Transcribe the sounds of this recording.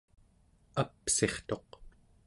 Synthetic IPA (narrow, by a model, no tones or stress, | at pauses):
apse̞χt̪o̞q